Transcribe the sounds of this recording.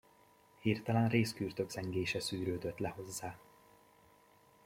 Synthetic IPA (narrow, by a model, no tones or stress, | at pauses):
hiːrt̪ɒlanreːskyːrt̪ø̞ɡzɛŋɡeːʃɛsyːɾøːd̪øt̪lɛho̞zːaː